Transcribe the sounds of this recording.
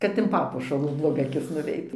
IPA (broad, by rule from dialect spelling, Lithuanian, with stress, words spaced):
kɐt ɪn ˈpɑːpuɔʃɐlˠuː blˠoːˈɡɐ ɐˈkʲɪs nʊˈʋʲɛɪt